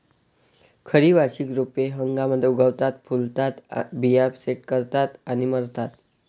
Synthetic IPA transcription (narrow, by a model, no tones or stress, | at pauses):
kʰəɾiʋaɕikɾupeɦəŋɡaməd̪ʱːeuɡʱəʋt̪at̪̚pʰult̪at̪bijabseʈ̚kəɾt̪at̪aɽ̃iməɾt̪at̪